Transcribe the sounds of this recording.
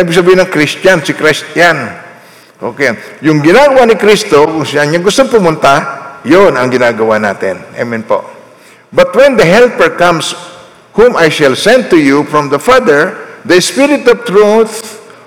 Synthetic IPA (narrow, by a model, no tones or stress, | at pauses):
nabɪɡ̚sɐbiːhɪnɐŋkɾist̪jansɪkɾɪst̪jan | ʔo̰kɛjʊŋɡɪnaːɡɐwaʔnɪkɾist̪okʊŋsɐnɲaŋɡʊst̪oŋpʊmʊnt̪ajonɐŋɡɪnaːɡɐwana̰ːt̪ɪ̰nʔa̰mɪnpo̰ | bɐt̪̚wɛnd̪ɐɦɛlpəɹkãms | humajʃɐlsɛ̃nd̪̚t̪ʊjufɹɔ̃md̪ɐfad̪ɛɹd̪ɐspɪɾɪt̪ɔvt̪ɹuθ